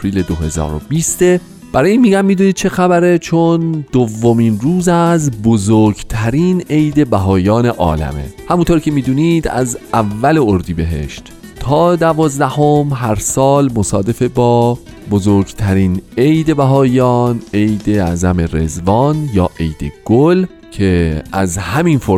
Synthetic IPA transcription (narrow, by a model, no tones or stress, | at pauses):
pɾiːled̪ohe̞zɒ̰ːɾo̰biːst̪e | b̥æɾɒːjiːnmiːɟæmːiːd̪uːniːd̪̚t͡ʃʰe̞xæbæɾet͡ʃʰond̪̥ovːomiːnruːzæzbozoɾɡt̪ʰæɾiːne̞jd̪e̞bæɦɒːjɒːne̞ʔɒ̰ːlæ̰me̞̰hæmunt̪ʰoɾcʰe̞miːd̪uːniːd̪æ̰zævːæleoɾd̪iːbe̞ɦe̞̰ʃt̪ | t̪ʰɒːd̪ævɒːzd̪æho̞mɦæɾsɒːlmosɒːd̪e̞febɒː | bozoɾɡt̪ʰæɾiːne̞jd̪ebæɦɒːjɒːne̞jd̪eæzæme̞ɾe̞̰zvɒːnjɒːʔe̞jd̪e̞̰ɡ̥ol | cʰe̞æzhæmiːnfo